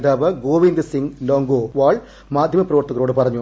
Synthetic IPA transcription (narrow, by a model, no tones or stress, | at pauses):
d̪aːʋɐɡoːʋind̪ɨsiŋloːŋɡoːʋaːɭ | maːd̪ʱjɐmɐprɐʋɐrt̪ːɐɣɐɾoːɽɨpɐrɐɲːu